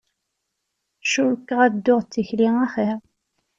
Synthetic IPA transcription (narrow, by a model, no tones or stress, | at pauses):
ʃukːʁæd̪ːʊʁt͡sːiçliŋæχiʁ